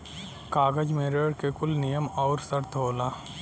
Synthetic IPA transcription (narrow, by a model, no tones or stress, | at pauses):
kaːɡəd͡ʒmeːɾəɽkekʊlnijəmɔːɾsəɾt̪ʰɦoːlaː